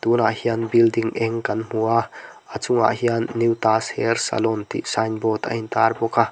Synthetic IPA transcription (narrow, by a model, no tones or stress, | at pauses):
t̪unaʔhianbildiŋʔɛŋkɐnm̥uaʔat͡suŋa̰ʔhianːiwt̪ashɛrsa̰lɔnt̪ḭʔsanbɔt̪ɐ̰int̪arbɔka